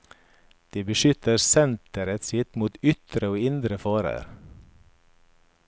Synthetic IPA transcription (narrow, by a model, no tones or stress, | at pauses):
d̪̥iːbəʃʏt̪əɾsɛnt̪əɾət̪sɪt̪muːt̪ʏt̪ɾəoːɪnd̪ɾəfɑːɾə̰ɾ